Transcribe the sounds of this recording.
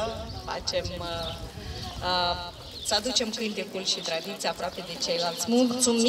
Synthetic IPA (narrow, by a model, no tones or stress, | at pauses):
fa̰t͡ʃem | səad̪ut͡ʃe̞mkɨnt̪ekulʃit̪ɾad̪it̪sijapɾoape̞d̪e̞t͡ʃejlalt̪sʲmult̪sumi